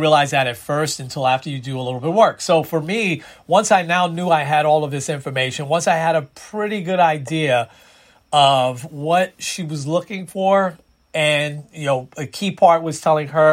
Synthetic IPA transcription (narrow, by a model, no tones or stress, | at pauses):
ɹiəlaɪzðɨɾɨtfɜ˞stɨ̃ntʰɪlˠæftə˞jɨdɨəlɪɾl̩ˠbɪt̚wɜ˞ksoʊfə˞miwʌ̃nsaɪnaʊnjʉaɪɨɾɔlˠʌvðɪsɪ̃ɱfə˞meɪʃɨ̃nwʌ̃nsaɪɨɾɨpʰɹ̥ɪɾiɡʊɾaɪdiɨ | ʌvwʌt̚ʃiwʌzlʊkɪ̃ŋfə˞ | ɨ̃njɨnoʊɨkʰipʰɑɹt̚wʌz̥tʰɛlˠɪ̃ŋə˞